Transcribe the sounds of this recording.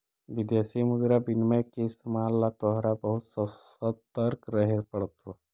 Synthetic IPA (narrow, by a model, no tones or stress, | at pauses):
ʋid̪jasimud̪ɾabinməjkest̪malːat̪ɔɦɾabəɦut̪səsət̪əɾkɾəɦeɾpəɽt̪ʋo